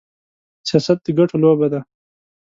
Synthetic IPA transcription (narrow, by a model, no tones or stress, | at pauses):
sijaːsɐt̪̚d̪əɡɐʈʰoloːbad̪a